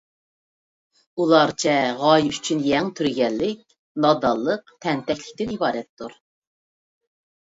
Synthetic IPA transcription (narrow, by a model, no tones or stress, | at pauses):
ulˠɑɾt͡ʃʰɛʁɑjyt͡ʃʰynjɛŋt̪ʰyɾɡʲɛnlːɪk̚ʲ | nɑd̪ɑlˠːəq̚t̪ʰɛnt̪ɛkʲlɪkʲt̪ɪnibɑːɾɛt̪ʰːuɾ